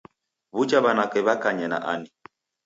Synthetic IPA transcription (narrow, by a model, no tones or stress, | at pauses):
βud͡ʒaβanakɛβakaɲɛna̰ʔani